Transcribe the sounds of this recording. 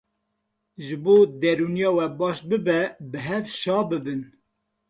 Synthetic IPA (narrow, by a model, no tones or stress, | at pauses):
ʒɨboːd̪ɛɾuːnijɑːwɛbɑːʃbɨbɛbɨɦɛvʃɑːbɨbɨn